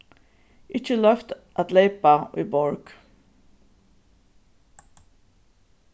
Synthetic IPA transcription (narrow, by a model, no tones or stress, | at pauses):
ɪt͡ʃəlœft̪ʔæt̪leɪpaʔḭːbɔɹɡ̥